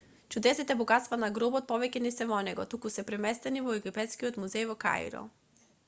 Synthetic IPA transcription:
t͡ʃud̪ɛsit̪ɛbɔɡat̪st̪vanaɡɾɔbɔt̪̚pɔvɛcɛnisɛvɔnɛɡɔt̪ukusɛpɾɛmɛst̪ɛnivɔɛɡipɛt̪skiot̪muzɛjvɔka̰ḭɾɔ̰

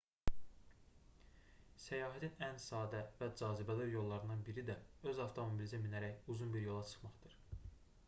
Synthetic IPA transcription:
sæjɑːɦæt̪ʰinænsɑːd̪ævæd͡ʒɑːzibælæɾjo̞lˠːɑɾɯnd̪ɑnbiɾid̪æøzɑft̪ʰo̞mobilid̪æminæɾæçuzunbiɾjo̞lˠɑt͡ʃʰɯ̥χmɑχd̪ɯɾ̥

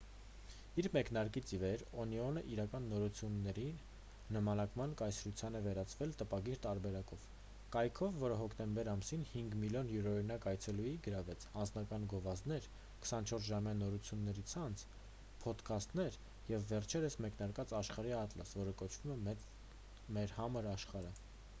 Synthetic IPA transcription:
iɾmɛknɑɾkit͡sʰivɛɾɔniɔnəʔiɾɑkɑnːɔɾut͡sʰjunːɛɾi | nəmɑnɑkmɑnkɑjsɾut͡sʰjɑnɛvɛɾɑt͡sʰvɛlt̪əpɑɡiɾt̪ɑɾbɛɾɑkɔv̥ | kɑjkʰɔvːɔɾəɦɔkʰt̪ɛmbɛɾɑmsinhiŋɡmiljɔnjuɾɔɾinɑkɑjt͡sʰɛlujiɡəɾɑvɛt͡sʰɑnd͡znɑkɑnɡɔvɑznɛɾ | kʰə̥sɑnt͡ʃʰɔɾs̬ʒɑmjɑnɔɾut͡sʰjunːɛɾit͡sʰɑnt͡sʰ | pʰɔd̪kʰɑst̪nɛɾ | jɛvːɛɾt͡ʃʰɛɾəsmɛkn̪ɑɾkɑt͡sɑʃχɑɾiɑt̪lɑ̰svɔɾəkɔt͡ʃʰv̥umɛmɛ | mɛɾhɑməɾɑʃχɑɾə

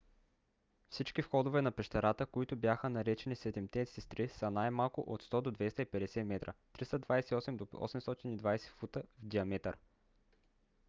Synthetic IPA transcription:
fsit͡ʃk̟ifxɔd̪ovɛnɐpɛʃt̪ɐɾat̪əkoit̪ʊbjaxənɐɾɛt͡ʃɛnisɛd̪ɛmt̪ɛsist̪ɾisɐnajmalˠkʊʔot̪st̪ɔd̪od̪vɛst̪əipɛd̪ɛsɛmɛt̪ɾʔət̪ɾist̪əd̪vajsɛiɔsɛmd̪oɔ̰sɛmst̪ɔt̪inid̪vajsɛ̥fut̪əvd̪ʲiɐmɛt̪əɾ

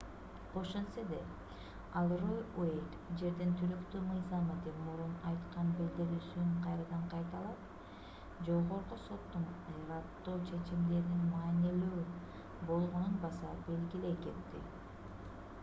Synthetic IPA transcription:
o̞ʃensed̪e | ɑlˠrojwejd̪ | d͡ʒe̞ɾd̪int̪ʰyɾøkt̪yːmɯjzɑmɯd̪e̞pmuɾunɑjt̪qɑnbild̪iɾyːsyɴqʰɑjɾɑd̪ɑɴqʰɑjt̪ɑlˠɑp | d͡ʒo̞ʁo̞ɾquso̞t̪ːunɑjɾɑt̪ːoːt͡ʃʰe̞t͡ʃimd̪e̞ɾninmɑːnilyː | bo̞lˠʁonunbɑsɑbe̞lɡileket̪ːi

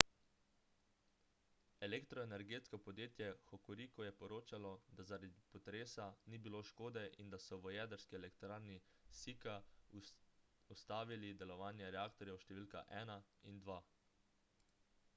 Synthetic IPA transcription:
ɛlekt̪ɾɔenɛɾɡeːt̪skɔpɔd̪jeːt̪jɛxɔkɔɾikɔjɛpɔɾoːt͡ʃalɔd̪azaɾad̪ipɔt̪ɾeːsanibiloːʃkoːd̪ɛʔind̪asɔʋəjɛːd̪əɾskiɛlɛkt̪ɾaːɾnisika | ɔst̪aːʋilid̪ɛlɔʋaːnjɛɾɛakt̪ɔɾjɛwʃt̪ɛʋiːlka̰ʔɛːnaind̪ʋa

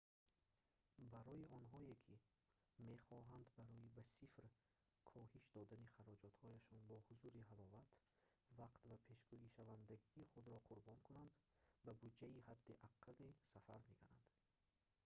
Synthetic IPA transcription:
baɾɔiʔɔnɦɔekʰi | meχɔɦand̪baɾɔibasifɾ | kʰɔhiʃd̪ɔd̪aniχaɾɔd͡ʒɔt̪hɔjaʃɔnbɔhuzuɾiɦalɔvat̪ | vaqt̪vapʰe̞ʃɡuiʃavand̪aɡiːχud̪ɾɔqʰuɾbɔnkunand̪babud͡ʒaihad̪ːiʔaqʰːalisafaɾniɡaɾand̪̥

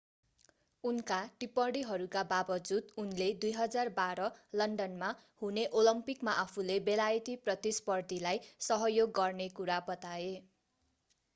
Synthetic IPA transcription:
unkaʈipʌɽiɦʌɾukababʌd͡zud̪unled̪ujɦʌd͡zarbaɾʌlʌɳɖʌnmahuneʔolʌmpikmaʔʌpʰulebelajt̪iprʌt̪ispʌrd̪ʱilajsʌɦʌjoɡːʌrnekuɾabʌt̪ae

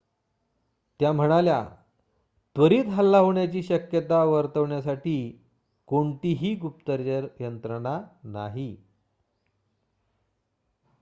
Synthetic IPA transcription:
t̪jam̤əɽ̃alja̰ | t̪ʋəɾiːt̪ɦəlːaɦoɳjat͡ɕiːɕəkjət̪aʋəɾt̪əʋɳjasaʈiː | koɳt̪iːɦiːɡup̚t̪əɾəɾjənt̪ɾəɳanaɦi

